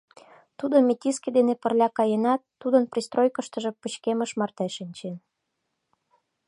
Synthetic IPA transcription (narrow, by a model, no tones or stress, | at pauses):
t̪ud̪omʲet̪ʲisked̪enepə̆rlʲɑkɑjenɑt̪ːud̪ənprʲist̪rojkə̆ʃt̪ə̆ʒĕpət͡ɕkemə̆ʃmɑrt̪eʃənʲt͡ɕen